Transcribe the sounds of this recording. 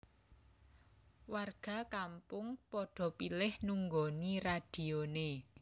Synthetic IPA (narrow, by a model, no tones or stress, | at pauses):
warɡ̥a̤kampʊŋpɔɖ̥ɔ̤pilɪhnuŋɡoniraɖ̥i̤one